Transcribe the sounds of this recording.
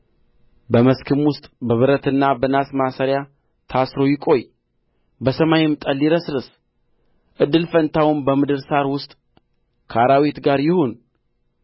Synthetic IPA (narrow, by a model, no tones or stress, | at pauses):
bəməskʰɨmwʊst̪ʼbəβɨɾət̪ɨnːabənasmasəɾja | t̪ʰasɾo̞jɪkʼo̞j | bəsəmajmt̪ʼəlːiɾəsɾɨs | ʔɨd̪ːɨlfənt̪ʰawʊnbəmɨd̪ɨɾsaɾwʊst̪ʼ | kʰəaɾawit̪ɡaɾjɪhon